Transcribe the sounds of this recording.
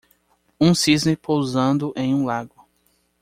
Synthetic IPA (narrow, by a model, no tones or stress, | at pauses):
ũsiznepowzɐ̃nd̪ʊʔẽj̃ũlaɡʊ